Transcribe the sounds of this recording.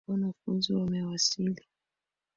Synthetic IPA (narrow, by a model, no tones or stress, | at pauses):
ɔnafunziwamɛwasili